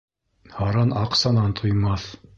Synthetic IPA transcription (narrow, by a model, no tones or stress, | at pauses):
hɑɾɑnɑqsɑnɑnt̪ʰŏjmɑθ